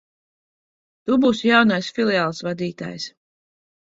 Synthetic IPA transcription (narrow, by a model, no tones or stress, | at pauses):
t̪ubuːsjawnajsfilˠiaːlˠsvad̪iːt̪a̰ːjs